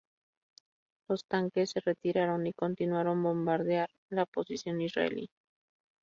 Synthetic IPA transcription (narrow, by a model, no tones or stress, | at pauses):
lo̞st̪aŋkesːe̞re̞t̪iɾaɾo̞niko̞nt̪inwaɾo̞mbo̞mbaɾðjaɾ | laopo̞sisjo̞nisra̰ḛlḭ